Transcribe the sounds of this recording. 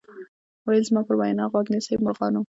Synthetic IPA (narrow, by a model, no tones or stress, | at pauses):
wajəlzmɑpəɾwajnɑɣwɑɡnisəjmʊɾɣɑnu